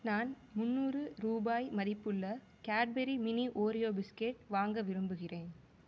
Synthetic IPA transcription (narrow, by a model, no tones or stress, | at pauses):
naːn | mʊnːuːrɯɾuːbaːjmɐðɪpːɯɭːɐ | kaːʈ̚bɛɾimɪniʔoːɾɪjoːbɪskeːʈʋaːŋɡɐʋɪɾɯmbɯɣɪreːn